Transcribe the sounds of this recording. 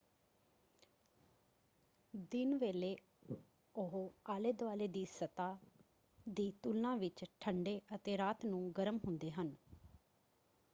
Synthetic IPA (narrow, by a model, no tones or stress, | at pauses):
d̪ɪnʋeːleː | ʊɦoːaːleːd̪ʋaːleːd̪iːsət̪aː | d̪iːt̪ulnãːʋɪt͡ʃʈʰəɳɖeːʔət̪eːɾaːt̪nũːɡəɾəmɦʊnd̪eːɦən